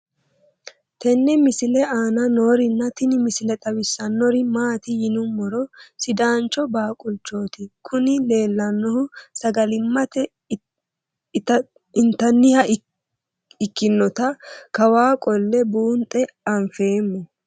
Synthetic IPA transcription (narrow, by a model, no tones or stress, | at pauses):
t̪ʰɛnːɛmɪsɪlɛaːnɐno̞ːɾɪnːɐt̪ɪnɪmɪsɪlɛt̪ʼɐbɪsːɐnːɔɾɪmaːt̪ɪjɪnʊmɔɾɔsɪd̪aːnt͡ʃːɔbaːkʼʊlt͡ʃːo̞ːt̪ɪkʰʊnɪle̞ːlːɐnːɔhʊsɐɡɐlɪmːɐt̪ɛ | t̪ | ɪnt̪ɐnːɪhɐ | ɪkːɪnːɔt̪ɐkɐwaːkʼɔlːɛbuːnt̪ʼɛɐɱfe̞ːmːɔ